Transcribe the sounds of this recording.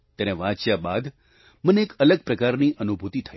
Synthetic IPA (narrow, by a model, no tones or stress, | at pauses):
t̪ɛneʋãt͡ʃjabad̪ | məneekələɡ̚pɾəkaɾniʔənubʱut̪it̪ʰə